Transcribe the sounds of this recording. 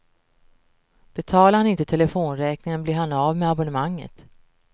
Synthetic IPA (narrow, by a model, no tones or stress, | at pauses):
b̥ɛt̪ʰɑːlaɾhanɪnt̪ət̪ʰɛləfoːnɾɛːknɪŋənbliːɾhanavmɛabɔnəmaŋːə̰t̪